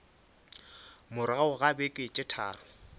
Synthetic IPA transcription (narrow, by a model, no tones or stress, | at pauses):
mʊɾaʊɣabekʼɪt͡ʃʼɪtʰa̰ːrʊ